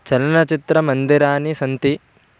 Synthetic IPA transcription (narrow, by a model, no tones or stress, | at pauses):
t͡ʃɐlɐnɐt͡ʃit̪ɾɐmɐnd̪iɾaːnisɐnt̪i